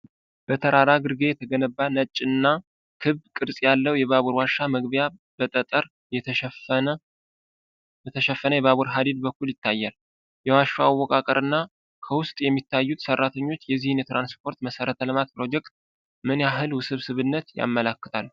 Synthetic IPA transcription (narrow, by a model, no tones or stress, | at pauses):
b̥ət̪ʰəɾaɾaɡɨɾɡe̞jɛt̪ʰəɡənəbːanət͡ʃʼːɨnːa | kʰɨββkʼɨɾsʼjalːəwjɛβaβuɾwaʃːaməɡβjab̥ət̪ʼət̪ʼəɾ | jɛ | jɛt̪ʰəʃɛfːənəjɛβaβuɾɦad̪id̪̚bəkːuljɪt̪ːajːal | jɛwaʃːoawːɔkʼakʼəɾɨnːa | kʰəwʊst̪ʼjɛmːit̪ːajːut̪sərːat̪ʰəɲːo̞t͡ʃːjɛzːihɨnjɛt̪ɾanspʰo̞ɾt̪məsəɾət̪ʰəlɨmat̪̚pɾo̞d͡ʒɛkt̪̚ | mɨnjaɦɨlwʊsɨβsɨβɨnːət̪ja̰mːəlakːɨ̥t̪ʰalː